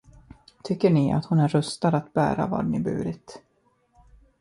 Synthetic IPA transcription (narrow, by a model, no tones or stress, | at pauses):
t̪ʰʏkːəɳɪa̰t̪hʊnæɾɵst̪ad̪at̪̚bæ̰ːɾa̰vɑ̰ːɖnɪbʉ̰ːɾɪt̪